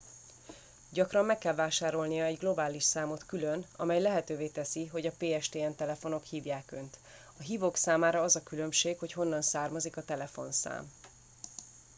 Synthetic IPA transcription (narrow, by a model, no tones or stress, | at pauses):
ɟɒkrɒmːɛkːɛlvaːʃaːɾo̞lnijɒɛɟɡlo̞baːliʃsaːmo̞t̪kylønɒ̰mɛjlɛɦɛt̪øːveːt̪ɛsiɦo̞ɟɒpeːɛʃt̪eːɛnt̪ɛlɛfo̞no̞khiːvjaːkø̞nt̪ | ɒɦiːvoːksaːmaːɾɒɒzɒkylø̞mʃeːkhocho̞nːɒnsaːrmɒzikɒt̪ɛlɛfo̞̰nsa̰ːm